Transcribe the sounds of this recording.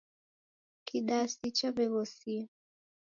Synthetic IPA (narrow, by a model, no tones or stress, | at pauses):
kiɗasit͡ʃaβɛβɔsi